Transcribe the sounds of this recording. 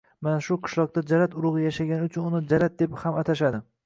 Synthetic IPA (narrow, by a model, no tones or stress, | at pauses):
manaʃʊqʰɨ̥ʃlˠɒq̚t̪ad͡ʒaɾat̪ʊɾʊʁɨjaʃaɡʲanɪʊt͡ʃʰʊnʊnɪd͡ʒaɾat̪̚d̪e̞phamat̪ʰaʃad̪ɪ